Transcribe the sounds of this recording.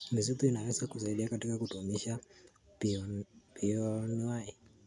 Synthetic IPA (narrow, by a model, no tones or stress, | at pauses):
miz̬ituinawɛsakusaiɗiakatikakutumiʃa | piɔniwajɛ